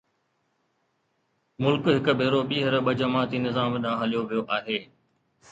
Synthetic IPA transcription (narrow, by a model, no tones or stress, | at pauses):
mʊlkɦɪkbʱeːɾoːɓiːɦəɾɓəd͡ʑəmãːt̪iːnɪzaːmɗãːɦɐlijoʋijoːʔaːɦeː